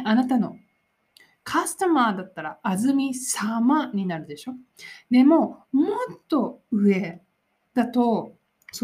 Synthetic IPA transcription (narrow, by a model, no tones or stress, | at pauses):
anat̪ano̞ | kʰasɨ̥t̪omaːd̪at̪ːaɾaːzɨmʲisamaɲ̟inaɾɯ̟d̪e̞ɕo̞d̪e̞mo̞mo̞t̪ːo̞ɯ̟e̞ | d̪̥at̪o̞ | s